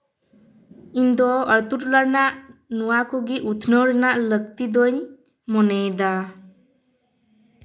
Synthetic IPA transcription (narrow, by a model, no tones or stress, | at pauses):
ind̪ɔəɾt̪uʈləɾnaʔnuwakɔɡiʔut̪ʰnɔɾnaʔləkt̪id̪ɔɲ | mɔnɛjd̪a